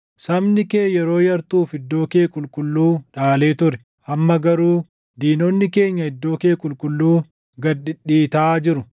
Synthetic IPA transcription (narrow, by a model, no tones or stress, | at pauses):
sɐmnɪke̞ːjɛɾo̞ːjɐɾt̪uːfɪd̪ːo̞ːkeːkʼʊlkʼʊlːuːᶑaːle̞ːt̪ʊɾɛ | ʔɐmːɐɡɐɾuː | d̪iːnonːɪke̞ːɲːɐɪd̪ːo̞ːke̞ːkʼʊlkʊlːuː | ɡɐdɪᶑiːt̪aːd͡ʒɪɾʊ